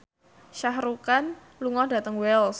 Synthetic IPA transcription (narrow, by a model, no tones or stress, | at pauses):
ʃaɦɾukan | luŋɔhda̤t̪əŋwɛls